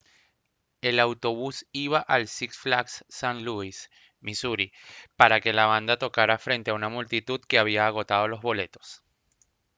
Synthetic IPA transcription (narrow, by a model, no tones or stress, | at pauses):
e̞lawt̪o̞β̞usiβaʔalsiksflaksːanluis | misuɾipaɾake̞laβand̪at̪o̞kaɾafɾe̞nt̪e̞aunamult̪it̪uðkeaβ̞iaːɣ̞o̞t̪að̞o̞lo̞zβo̞le̞t̪o̞̥s